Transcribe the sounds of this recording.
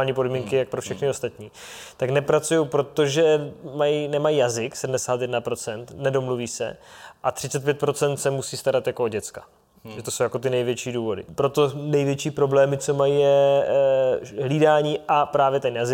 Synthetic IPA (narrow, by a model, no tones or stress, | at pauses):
lɲiːpo̞dmiːŋkɪjak̚pɾofʃɛxnɪo̞st̪at̪ɲiː | t̪aknɛpɾat͡sujowpɾo̞t̪o̞ʒɛmajinɛmajijazɪksɛdm̩dɛsaːt̪jɛdnapɾo̞t͡sɛnt̪nɛdo̞mluviːsɛ̰ʔat̪r̝̥ɪt͡sɛt̪̚pjɛt̪̚pɾo̞t͡sɛnt̪sɛmusiːst̪aɾat̪jakooɟɛt͡skḁ | ʒɛt̪o̞sowjako̞t̪ɪnɛjvjɛt͡ʃiːduːvo̞dɪ̰pɾo̞t̪o̞nɛjvjɛt͡ʃiːpɾo̞blɛːmɪt͡so̞majijɛ | ɦliːdaːɲiːʔapɾaːvjɛt̪ɛnjazɪ